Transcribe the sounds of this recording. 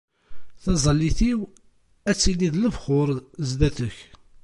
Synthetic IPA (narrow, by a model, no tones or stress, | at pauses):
θɑzˤəlːiθiw | æt͡sːiliðləvχʊɾˤzd̪æθəç